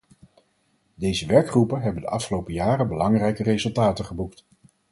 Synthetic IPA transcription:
dejzəʋɛɹkχrupənɦɛbəndəʔɑfχəlowpəjaːrəbəlɑŋrɛjkərezɵlˠtaːtəχəbukt

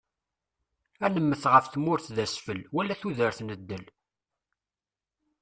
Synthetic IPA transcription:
ænəmːəθʁəfθmʊɾθðæsfəlwælːæθuðəɾθnəd̪ːəl

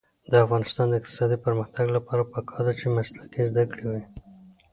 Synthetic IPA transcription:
d̪əafɣɑnɪst̪ɑnd̪əɪq̚t̪ɪ̥sɑd̪ipəɾməxt̪aɡlapɑɾapəkʰɑɾd̪at͡ʃemaslakizd̪akɽewi

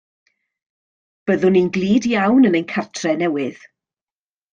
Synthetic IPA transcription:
b̥əðʊninɡlˠiːdjawnənənkʰartʰrɛnɛwɪð̥

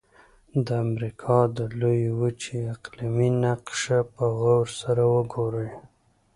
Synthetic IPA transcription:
d̪əamɾikʰɑd̪əlojwut͡ʃeaqliminaqʃapəɣawɾsaɾawəɡoɾəj

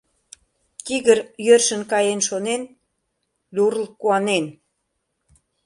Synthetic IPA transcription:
t̪iɣəɾjørʃə̆nkɑjenʃonen | d̪uɾlkuɑnen

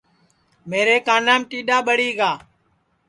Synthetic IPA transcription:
meːɾeːkãːnaːmʈiːɗaːɓəɽiːɡaː

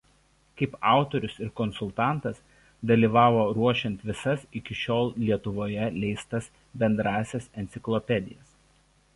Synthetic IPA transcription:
kɐɪpɑˑʊt̪ɔɾʲʊsɪɾkɔnsʊlˠt̪ɑˑnˑt̪ɐs | d̪ɐlʲiːʋɑːʋoːɾuɔʃʲɛnʲt̪ʲʋʲɪsɐsɪkʲɪʃʲoːlˠlʲiɛt̪ʊʋoːjɛlʲɛɪst̪ɐs | bʲɛnd̪ɾɑːsʲɛsɛnʲt̪sʲɪklˠɔpʲɛd̪ʲɪjɛs

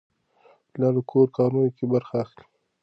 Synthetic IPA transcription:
lɑləkʰoɾkɑɾujokebaɾxaːxli

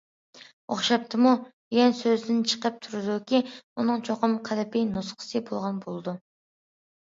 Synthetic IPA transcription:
o̰χʃɑp̚t̪ʰɨmu | jɛnsøzd̪ɪnt͡ʃʰə̥qəp̚t̪ʰuɾɨd̪ukʲiunɨŋt͡ʃʰoqəmqʰælɪpijnusqʰə̥sɨbolˠʁɑnbolˠɨd̪u

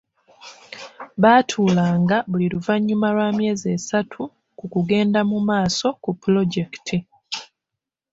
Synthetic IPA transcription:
βaːtʰuːlaːŋɡaβuliɾuvaɲːumalwaːmje̞ːze̞ːsatʰu | kukuɡe̞ːndamumaːso̞kupulo̞ɟe̞ktʰi

